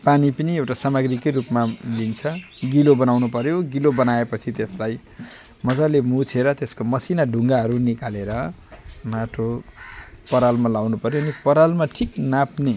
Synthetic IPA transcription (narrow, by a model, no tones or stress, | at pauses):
panipʌniewʈasamʌɡrikʌjrupmalint͡sʰʌ | ɡilobʌnawnupʌɾjoɡilobʌnaepʌt͡sʰit̪eslaj | mʌd͡zalemut͡sʰeɾʌt̪eskomʌsinaɖʱũŋɡaɦʌɾunikaleɾʌ | maʈʰo | pʌɾalmalawnupʌɾjoːnipʌɾalmaʈʰiknapne